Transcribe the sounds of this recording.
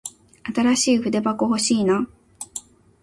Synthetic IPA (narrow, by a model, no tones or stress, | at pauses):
at̪aɾaɕiːɸɯ̟d̪e̞bakoho̞ɕiːna